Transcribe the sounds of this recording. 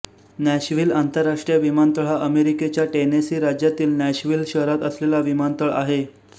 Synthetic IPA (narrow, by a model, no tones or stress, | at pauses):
næɕʋiːlant̪əɾːaʂʈɾijəʋimant̪əɭ̤aʔəmeɾiket͡ɕjaʈenesiːɾad͡ʑjat̪iːlnæɕʋiːlɕəɦɾat̪əslelaʋimant̪əɭa̰ɦe